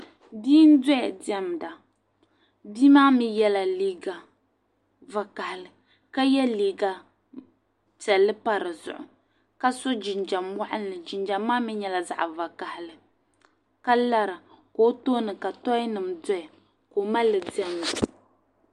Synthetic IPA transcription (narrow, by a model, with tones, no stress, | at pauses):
biː˦n̩˦dɔ˦ɛ˨di˨˦ɛ˦m˨da˨ | bi˦maː˦mi˦jɛ˦la˨liː˦ɡa˨ | va˨ka˨hɪ˨lɨ˨ | ka˦jɛ˦liː˨ɡa˨ | t͡ʃɛ˨lːɨ˦pa˦ɾɨ˨zʊ̰˨ʔʊ̰˨ | ka˦so˦d͡ʒɪ˨nd͡ʒa˨mma˦ʔa˦nː˦ɨ˨d͡ʒɪ˨nd͡ʒa˨mː˦aː˦mɪ˦ɲɛ˨la˨za̰˨ʔva˨ka˨hɪ˨lɨ˨ | ka˦la˦ɾɨ˨ | ko˨˦toː˦nɨ˨ka˨tɔ˦nɨ˨mdɔ˦a˨ | ko˨ma˦lːɨ˨di˨˦ɛ˦m˨da˨